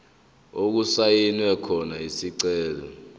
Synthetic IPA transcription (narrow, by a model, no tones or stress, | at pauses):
ok̬usajinwɛkʰɔnaisiǀɛːlɔ